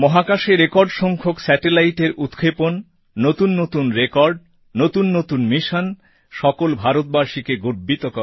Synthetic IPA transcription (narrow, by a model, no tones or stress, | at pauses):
mɔɦakaʃeɾekɔɾɖʃɔŋkʰoksɛʈelajʈeɾut̪kʰeponː | ot̪unːot̪unɾekɔɾɖ | not̪unːot̪unmiʃon | ʃɔkolbʱaɾot̪̚baɾʃikeɡoɾbit̪okɔ